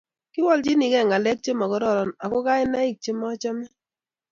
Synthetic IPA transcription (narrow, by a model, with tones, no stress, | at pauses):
ki˦wɔ˦lt͡ʃi˦ni˨kɛ˦˨ŋa˨lɛ˦k̚t͡ʃe˦mɔ˨kɔ˨˦ɾɔ˦˨ɾɔ˨na˨ko˦ka˦ɪ˦na˦i˦˨k̚t͡ʃe˦mɔ˦t͡ʃa˦mɛ˦